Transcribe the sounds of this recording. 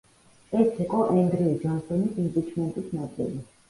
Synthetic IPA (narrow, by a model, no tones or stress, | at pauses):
ɛsiqʼɔʔɛnd̪ɾiid͡ʒɔnsɔnisimpʼit͡ʃʰmɛnt̪ʼisnad̪zɛ̰li